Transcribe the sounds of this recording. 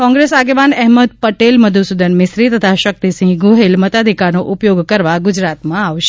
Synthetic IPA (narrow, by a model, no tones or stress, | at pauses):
kɔ̃ŋɡɾesaɡeʋanɛɦməd̪̚pəʈelməd̪ʱusud̪ənmɪsɾit̪ət̪ʰaʃək̚t̪isĩŋɡɡuɦelmət̪ad̪ʱikanoʔʊpjoɡkəɾʋaɡʊd͡ʒɾat̪mãaʋʃe